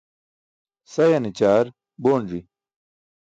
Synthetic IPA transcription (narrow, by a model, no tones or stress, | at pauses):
sɐjɐnit͡ɕaːɾ | boːɳɾi